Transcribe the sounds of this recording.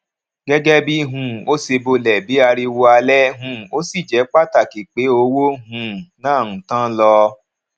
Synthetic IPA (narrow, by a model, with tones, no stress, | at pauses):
ɡɛ˦ɡɛ˦bi˦ɦũ˨o˦se˧bo˧lɛ˨bi˨˦a˧ɾi˧wo˧a˧lɛ˦ɦũ˨o˦si˦˨d͡ʒɛ˨˦k͡pa˦ta˦˨ki˨k͡pe˨˦o˧wo˦ɦũ˨nãː˦˨ũ˨tã˦lɔ˧